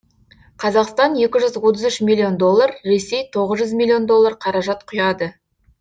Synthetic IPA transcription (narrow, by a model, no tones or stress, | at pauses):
qʰɑzɑqst̪ɑnje̞kʲɪʒʏzwot̪̬əzʏʃmilʲˠːio̞nd̪o̞lˠːɑɾɾe̞se̞jt̪ʰo̞ʁəzʒʏzmilʲˠːio̞nd̪o̞lˠːɑɾqʰɑɾɑʒɑt̪qʰʊjɑd̪ə